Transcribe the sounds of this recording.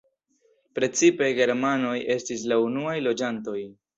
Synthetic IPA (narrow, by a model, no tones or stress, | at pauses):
pɾe̞t͡sipe̞ɡe̞ɾmano̞je̞stis̬launuajlo̞d͡ʒanto̞j